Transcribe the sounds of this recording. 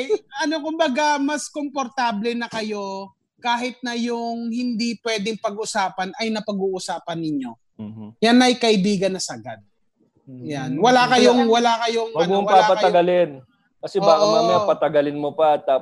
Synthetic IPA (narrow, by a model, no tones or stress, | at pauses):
jʔɐno̞kʊmbɐɡamɐskompoɾt̪aːblɛnɐkɐjo̞ | kaːɦɪt̪̚nɐjʊŋhɪnd̪ipwɛːd̪ɪŋpɐɡʔʊsaːpɐnɐjnɐpɐɡuːʔʊsaːpɐnːɪɲo̞ | janɐjkɐʔɪbiːɡɐnːɐsɐʔɐɡa̰d̪̚ | janwɐlakɐjoŋwɐlakɐjoŋwɐnɡmowɐpaapɐtɐɐɡɐlɪn | kɐsɛbaːkɐmamɐpɐt̪ɐɡɐlɪnmopɐɐt̪ːaː